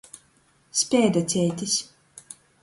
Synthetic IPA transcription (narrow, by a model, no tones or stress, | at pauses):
sʲpʲɛːd̪at͡s̪ʲɛjt̪ʲisʲ